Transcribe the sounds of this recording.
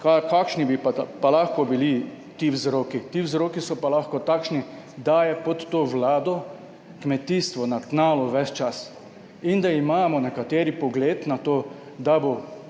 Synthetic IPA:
kakakʃnibipapalaxkɔbili | t̪iwzɾoːkit̪iwzɾoːkisɔpalaxkɔt̪akʃni | d̪ajɛpɔt̪ːoːʋlaːd̪ɔ | kmɛt̪iːst̪ʋɔnat̪naːlɔʋɛst͡ʃas | ind̪aimaːmɔnɛkat̪eːɾipɔɡleːt̪nat̪oː | d̪abo

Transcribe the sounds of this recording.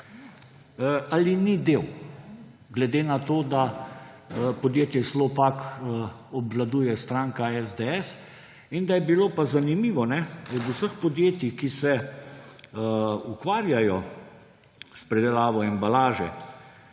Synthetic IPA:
alinid̪eːw | ɡlɛd̪eːnat̪oːd̪a | pɔd̪jeːt̪jɛslɔpakː | ɔbʋlad̪uːjɛst̪ɾaːŋkaɛzd̪eɛs | ind̪ajɛbiloːpazanimiːʋɔnɛɔd̪usəxpɔd̪jeːt̪jixkisɛ | ukʋaːɾjajɔ | spɾɛd̪ɛlaːʋɔɛmbalaːʒɛ̰

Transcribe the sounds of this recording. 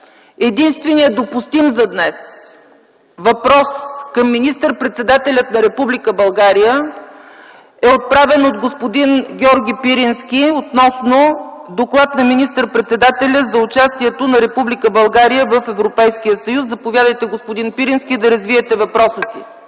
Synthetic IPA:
ɛd̪inst̪vɛnijəd̪opust̪imzɐd̪nɛs | vɐpɾɔskəmːinist̪əɾpɾɛt̪sɛd̪at̪ɛlʲət̪nɐɾɛpublikəbɐlˠɡaɾijə | ɛot̪̚pɾavɛnot̪ɡospod̪inɡʲɔɾɡʲipiɾinsk̟ʲiot̪nɔsnod̪oklˠat̪nɐminist̪əɾpɾɛt̪sɛd̪at̪ɛlʲəzɐʊt͡ʃast̪iɛt̪onɐɾɛpublikəbɐlˠɡaɾijəvəfɛvɾopɛjsk̟ijəsəjuszɐpovʲjad̪əjt̪ɛɡospʊd̪inpiɾinsk̟ʲid̪ɐɾəzviɛt̪ɛvɐpɾɔsəsḭ

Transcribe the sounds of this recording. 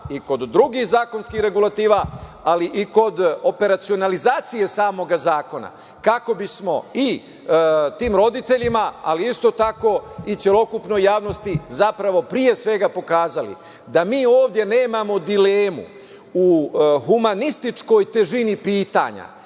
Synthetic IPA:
iko̞d̪ːɾuɡixzaːko̞nskiːhɾe̞ɡulat̪iːʋaaliʔiko̞d̪o̞pe̞ɾat̪sio̞nalizaːt̪sije̞saːmo̞ɡazaːko̞na̰ | kako̞bismo̞i | t̪iːmɾo̞d̪it̪e̞ʎimaa̰liist̪o̞t̪ako̞it͡ssjelˠo̞kupno̞jːaːʋno̞st̪izapɾaʋo̞pɾije̞sʋe̞ɡapo̞kaːzalḭ | d̪amiːo̞ːʋd̪ʲje̞ne̞ːmamo̞d̪ileːmṵ | uhumanist̪it͡ʃko̞jt̪e̞ʒinipiːt̪a̰ɲa̰

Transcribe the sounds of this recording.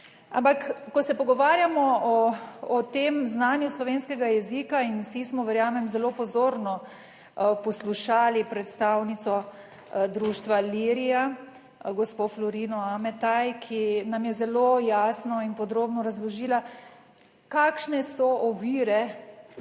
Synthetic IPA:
a̰mpakːɔsɛpɔɡɔʋaːɾjamɔɔː | t̪emznaːnjuslɔʋeːnskɛɡajɛzikainwsismɔʋɛɾjaːmɛmzɛloːpɔzoːɾnɔ | pɔsluʃaːlipɾɛt̪st̪aːwnit̪sɔ | d̪ɾuːʃt̪ʋaliːɾija | ɡɔspoflɔɾinɔamɛt̪ajkʰinamjɛzɛlojaːsnɔinpɔd̪ɾoːbnɔɾazlɔʒiːla | kaːkʃnɛsɔʔɔʋiːɾɛ

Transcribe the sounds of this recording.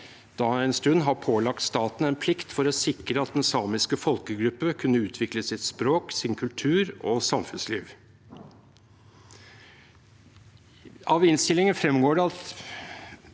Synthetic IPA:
d̪̥ɑɛnst̪ʉnːɦɑɾpʰoːlɑk̚t̪st̪ɑːt̪n̩ɛnpʰlɪkt̪fɔɾɔsɪkɾəɑt̪̚d̪ɛnsɑːmɪskəfɔlkəɡɾʉpːəkʰʉnːəʉːt̪ʰʋɪkləsɪt̪spɾoːksɪnkʰʉlt̪ʰʉːɾɔsɑmfʉnslḭːʋ | ɑʋɪnst̪ɪlɪŋənfɾɛmɡoːɖɛɑt̪

